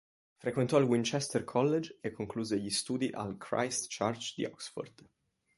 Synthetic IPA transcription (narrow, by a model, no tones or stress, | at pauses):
fɾekwent̪ɔilwint͡ʃɛst̪ɛrkʰɔlːed͡ʒekʰːoŋkluːzeʎist̪uːd̪iʔa̰lkʰɾa̰jst̪t͡ʃart͡ʃd̪ḭɔ̰ksfo̰rd̪